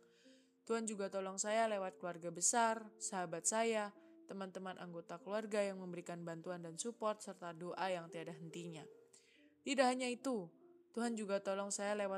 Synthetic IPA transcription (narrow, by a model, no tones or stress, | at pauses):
t̪uɦand͡ʒuɡat̪ɔlɔŋsajalewat̪̚kəluarɡabəsarsaɦabat̪̚sajat̪əmant̪əmanʔa̰ŋɡot̪akəluarɡajaŋməmbəɾikanbant̪uandansupɔrt̪̚sərt̪adoʔajaŋt̪iadaɦənt̪iɲa | t̪idaɦaɲait̪ut̪uɦand͡ʒuɡat̪olɔŋsajalewa